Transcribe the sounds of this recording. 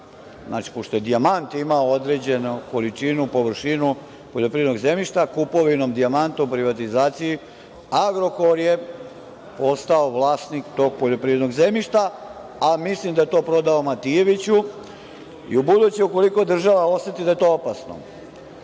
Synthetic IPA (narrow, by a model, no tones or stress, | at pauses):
zna̰ːt͡ʃi̥poʃt̪o̞je̞d̪iamant̪imaood̪ɾe̞ːd͡ʑe̞nuko̞lit͡ʂinupo̞ʋr̩ʃinu | poʎʲo̞pɾiʋed̪no̞ɡze̞miʃt̪akupo̞ʋinomd̪iamant̪oupɾiʋat̪izaːt̪siji | aɡɾo̞ko̞ɾje | po̞st̪aoʋlˠaːst̪nikt̪o̞ːɡ̚poʎo̞pɾiʋed̪no̞ɡze̞miʃt̪a | amislimd̪ajet̪o̞ːpɾo̞d̪aomat̪ije̞ʋit͡ɕu | ḭubud̪ut͡ɕeuko̞likod̪r̩ʒaʋao̞se̞t̪id̪aje̞t̪o̞ːopasno̰